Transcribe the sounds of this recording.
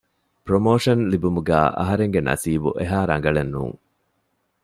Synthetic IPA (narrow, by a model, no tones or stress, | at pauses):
pɾomoːʂɐnlibumuɡæ̰ːʔɐ̰ɦɐɾeŋɡenɐ̰siːbuʔeɦaːɾɐŋɡɐɭenːṵːŋ